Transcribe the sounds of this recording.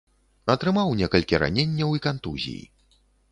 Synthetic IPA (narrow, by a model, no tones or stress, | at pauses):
ɐt̪ɾɨmawnʲɛkɐlʲkʲiɾa̰nʲenʲːɐwikant̪uzʲḭjḭ